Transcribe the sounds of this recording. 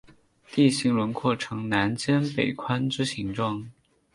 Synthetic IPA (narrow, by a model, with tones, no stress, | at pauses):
t̪i˥˩ɕi˧˥ŋlə˧˥nkʰwɔ˥˩ʈ͡ʂʰɤ˧˥ŋna˧˥nt͡ɕjɛ˥npe˨˩ɪkʰwa˥nʈ͡ʂɻ̩˥ɕi˧˥ŋʈ͡ʂʊ˥˩ŋ